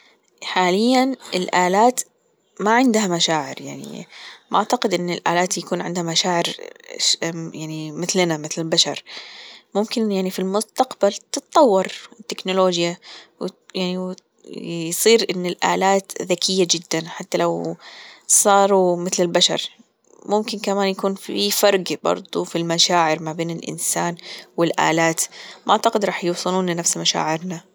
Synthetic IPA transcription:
ħaːlɪjːanɪlʔaːlaːt̪ | maʕɪnd̪hamaʃaːʕɪ̰ɾja̰ʕnḭʔaʕt̪aqɪd̪ʔɪnːɪlʔa̰ːlaːt̪jakuːnʕɪnd̪hamaʃaːʕɪɾ | jaʕnimɪθlnamɪθlɪlbaʃɑ̰ɾˤmʊmkɪnjaʕnifilmʊst̪aqbalt̪ɨt̪̚t̪ˤːɑwːɑɾˤɪt̪ːɪknʊloːd͡ʒjawjaʕni | jsˤiːɾʔɪnːɪlʔa̰ːlaːt̪ðakʰɪjːad͡ʒɪd̪ːanħat̪ːalaw | sˤɑːɾˤumɪθlɪlbaʃɑ̰ɾˤ | mʊmkɪnkamaːnjakuːnfifɑɾˤɡbɑ̰ɾˤd̪ˤufilmaʃaːʕɪɾmabeːnɪlʔɪ̰nsaːnwɪlʔa̰ːlaːt̪mʔaʕt̪aqɪd̪ɾˤɑːħjuwsˤɨluːnlɪnafsmaʃa̰ːʕɪɾna

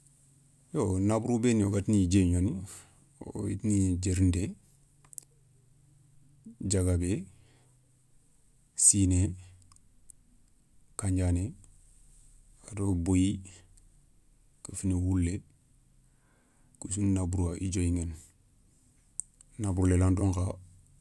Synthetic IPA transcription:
jonabuɾubenioɡatnid͡ʒeɲoni | o̰jḭtnid͡ʒeɾinde | d͡ʒaɡabe | sine | kaɲɟane | adoboji | kəfinewulːe | kus̬unnabuɾuaʔid͡ʒojiŋen | nabuɾulelandoŋka

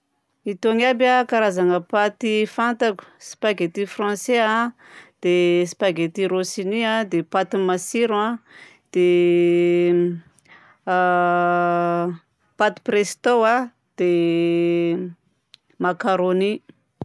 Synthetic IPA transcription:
it̪oŋabakaɾazaŋəpat̪ifant̪aku̥si̥paɡet̪ifrɑ̃sea | d̪̥esi̥paɡet̪iɾosiniãd̪epat̪imasiɾã | d̪̥e | pat̪i̥prest̪owa | d̪̥e | makaɾoni

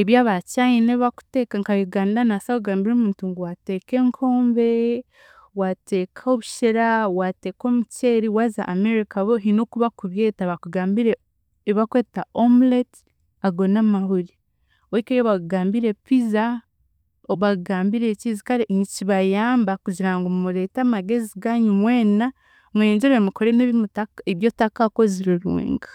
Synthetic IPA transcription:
eβjaːβacaineβaku̥te̞kaŋkaβiɡaːmiɾanasakuɡaːmbiɾomuːntuŋɡuwateːke̞ːŋkʰo̞ːmbe | wate̞ːkʰaoβuʃeɾawate̞ːko̞muceɾiwaːza̰ʔameɾikaβoɦinokuβakuβje̞ːtaβakuɡaːmbiɾe | eβakweːtaomlet | aɡo̞namaɦuɾi | oikeajoβaɡaːmbiɾe̞piza | oβaɡaːmbiɾecizikaɾeɲiciβajaːmbakuɟiɾaŋɡomumuɾe̞ːtamaɡe̞ziɡaɲumwe̞ːna | mweːɲd͡ʒeɾemuko̞ɾeneβmutaeβjotakakoziɾiɾṵːŋɡḁ

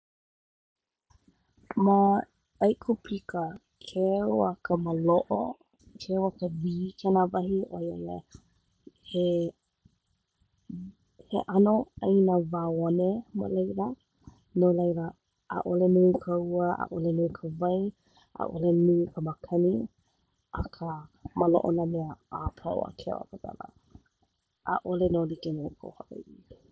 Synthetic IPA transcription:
ma | ajkʰupʰikʰə | kʰewakʰəməloʔo | kʰewakəviːkʰɛnavɐɦiʔojojḛ | he | hḛʔanoajnavaːonema̰lejlə | nolejlə | ʔa̰ʔolenukʰəuəa̰ʔolenuːkʰəvaj | ʔa̰ʔo̰lenukʰəmakʰɐni | ʔakʰəmalo̰ʔonəmeəʔapʰa̰o̰a̰kʰḛa̰pata̰lə̰ | ʔaʔolenolikenuukʰo̰whaʔa̰i

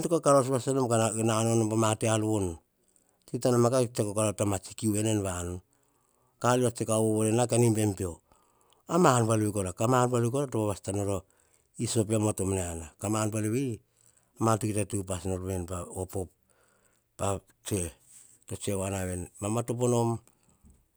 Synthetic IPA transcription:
ntukakaɾosβastanomkananonopamatealon | tiktanamakat͡ʃekokaɾotamat͡ʃikiuβe̞nenβanon | kaliat͡ʃekawoβonenakanimbe̞mpeo | amaanpalβikolakamanpalikolatopaβastanoɾo | iso̞p̬iamotomneanakamanpaleβi | amatukitatupasnoɾβenpaopop | pa | t͡ʃe | to̞t͡ʃewanaβe̞nmamatop̬ono̞m

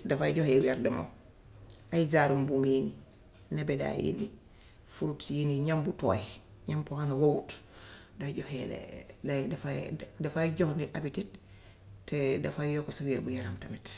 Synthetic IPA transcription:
dafajɟɔhewɛɾdɛmo̰ | ajizaɾumbumini | nebɛda̰jḭni | fuɾutjiniɲambuto̰ːjɲampohanawowut | daɟohɛlḛdafadafaɟɔxndiʔabitit | tːɛdafajjokosawiɾbujaɾamtamit

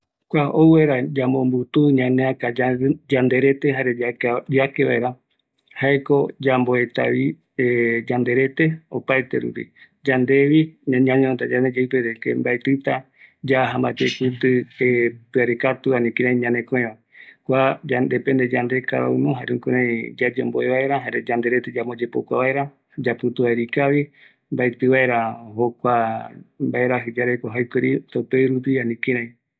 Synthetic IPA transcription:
kʷaoueɾad͡ʒambõmbut̪uɲãnẽãkad͡ʒand̪e̞ɾe̞t̪eɦaɾead͡ʒakeβaeɾa | haeko̞d͡ʒamboe̞t̪a̰βi | ed͡ʒand̪e̞ɾe̞t̪e̞opajt̪ḛɾṵpḭ | d͡ʒand̪e̞ʋiɲaɲãɲõt̪ad͡ʒand̪ed͡ʒajpeɾekḛmbaet̪ɨt̪a | d͡ʒaɦambat̪ekɨt̪ɨepɨaɾekat̪uanĩkĩɾãj̃ɲãnẽkõẽa | kʷad͡ʒand̪epend̪ed͡ʒand̪eka̰ɾa̰unũɦaɾẽkuɾãjd͡ʒad͡ʒo̰mboeβaeɾaɦaɾed͡ʒand̪e̞ɾet̪ed͡ʒamod͡ʒepo̰kʷa̰βaeɾa | d͡ʒaput̪uβaeɾikaβi | mbaet̪ɨβaeɾahokʷambaeɾaɦɨd͡ʒaɾekʷaɦajkeɾit̪aupeɾup̬ianĩkĩɾãj̃

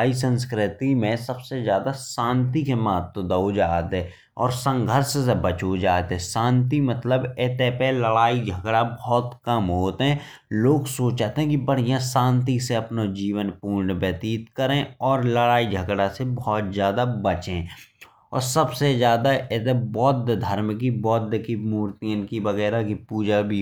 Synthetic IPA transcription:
ais̬ə̃ns̬kɾɪt̪imẽsəbsezjaːd̪asãːnt̪ikemɐɦət̪wəd̪əod͡ʒaːt̪ɦɛ | ɔ̰ːɾsə̃ŋɡʱəɾssebət͡ʃod͡ʒaːt̪eɦɛ̃sãːnt̪imət̪ləbeːt̪epeləɽaːid͡ʒʱəɡɽabɔːt̪kəmɦoːt̪eɦɛ̃ | loːɡsoːt͡ʃaːt̪eɦɛ̃kibəɽ̤ijãsãːnt̪iseɐpnod͡ʒiːʋənpuːɳɖbɛːt̪iːt̪kəɾẽɔːɾləɽaːid͡ʒʱəɡɽasebɔːt̪zjaːd̪abət͡ʃẽ | ɔ̰ːɾsəbsezjaːd̪aʔet̪ebɔːt̪̚d̪d̪ʱəɾmk̬ibɔːt̪̚d̪kimuːɾt̪iənkibəɣɛːɾakipuːd͡ʒabʱi

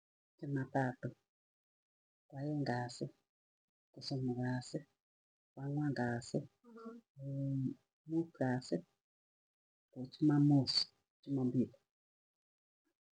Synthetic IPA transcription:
t͡ʃɛmatatʊ | kwajɛŋɡasɪ | kɔsɔmuɣasɛ | kwaŋwaŋɡasɪ | mukasɛ | kot͡ʃumamosɔ̥ | t͡ʃumɔmbili

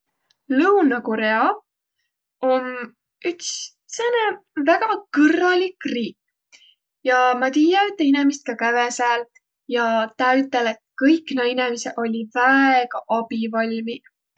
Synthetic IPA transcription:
lɤwnɑkoɾeɑ | on | yts | senevæɡ̥ɑkɤrːɑlikriːk | jɑmɑt̪iːjɑyt̪ːˑinemist̪̚kɑkævesæːl | jɑt̪ɑyt̪ːˑelet̪̚kɤjkːnɑjinemiseʔo̞lʲivæeɡ̥ɑʔɑb̥ivɑlʲmi

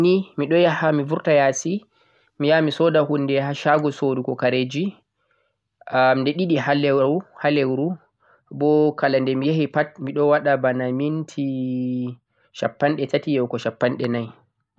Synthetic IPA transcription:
nimiɗɔjahamivuɾtajasi | mijamisɔdahunːdɛhaʃaɡɔsodukɔkaɾed͡ʒi | andɛɗiɗihalɛhalewɾu | bɔkalandɛmijehipat̚miɗɔwaɗabanamintʰi | ʃa̰pːanɗɛtatijɛwkɔʃapːanɗɛnaj

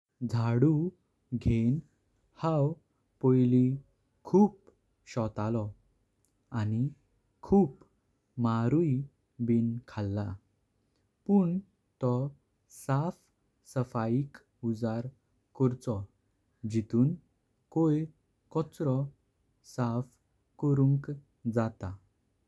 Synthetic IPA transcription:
d͡zʱaɽu | ɡʱen | haw | pɔjli | kʰuːp | ɕɔt̪alɔ | ani | kʰuːp | maɾuj | binkʰalːa | puɳ | t̪ɔ | saf | səfaik | ud͡zaɾ | kɔɾt͡sɔ | d͡ʑit̪uːn | koj | kɔt͡sɾɔ | saf | kɔɾũŋk | d͡zat̪a

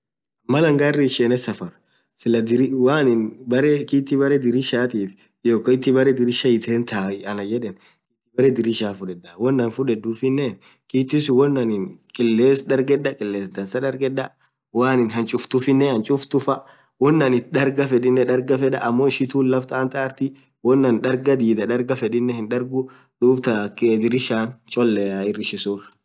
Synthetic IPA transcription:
mːɐlɐŋɡaːrːɪʃeːnɛsɐfɐɾ | sɪlɐd̪ɪɾɪwaːnɪnbɐɾɛkiːt̪ːɪbɐɾɛd̪ɪɾɪʃaːt̪iːf | joːkːɔɪt̪ːɪbɐɾɛd̪ɪɾɪʃɐɪt̪ʰeːnt̪aːɪɐnɐd͡ʒɛᶑɛn | kiːt̪ːɪbɐɾɛd̪ɪɾɪʃaːfʊᶑɛᶑɐwɔnːɐnfʊᶑɛd̪uːfɪnːeːn | kiːt̪ːɪsʊwɔnːɐnɪnkʼɪlːeːsd̪ɐɾɡɛᶑːɐkʼɪlːeːsd̪ɐnsɐᶑɐɾɡɛᶑɐ | waːnɪnɦɐnt͡ʃʼʊft̪ʊfɪnːɛɐnt͡ʃʼʊft̪ʊfɐ | wɔnːɐnɪdɐɾɡɐfɛᶑɪnːɛᶑɐɾɡɐfɛᶑɐ̰ʔɐmːoːɪʃɪt̪uːnlɐft̪aːnt̪aːɾt̪ɪ | wɔnːɐnᶑɐɾɡɐd̪iːd̪ɐᶑ̪ɐɾɡɐfɛᶑɪnːɛhɪnᶑɐɾɡʊ | d̪̥uːbt̪ɐkːd̪ɪɾɪʃaːnt͡ʃʼɔlːɛaɪrːɪʃɪsurɐ̥

